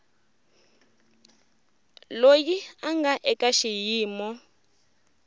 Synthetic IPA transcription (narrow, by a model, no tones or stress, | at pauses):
lojiaŋɡaʔɛkʼaʃijiːmɔ